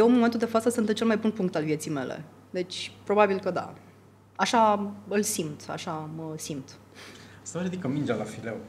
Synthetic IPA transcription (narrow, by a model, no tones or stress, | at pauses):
jewnmoment̪uld̪e̞fat̪səsɨnt̪ɨnt͡ʃelmajbunpuŋk̚t̪alvje̞t̪sijme̞̰lḛ | d̪e̞t͡ʃʲpɾo̞babilkəd̪a̰ | aʃaɨlsimt̪a̰ʃaməsimt̪ | səɾid̪ikəmind͡ʒalafilew